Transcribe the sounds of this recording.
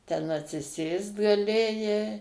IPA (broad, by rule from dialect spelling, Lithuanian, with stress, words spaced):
tʲɛn ɐtʲsʲɪˈsʲeːst ɡɐˈlʲeːjɛɪ